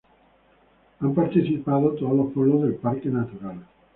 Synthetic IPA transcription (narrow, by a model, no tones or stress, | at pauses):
ampart̪et͡ʃipaːðot̪alopolːod̪elparkenat̪uɾaːle